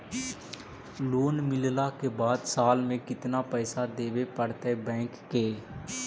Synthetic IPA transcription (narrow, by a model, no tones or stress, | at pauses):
loːnmɪllakebaːd̪saːlmẽkɪt̪napɛːsad̪eːʋepəɽt̪eɛbɛ̃ːkːeː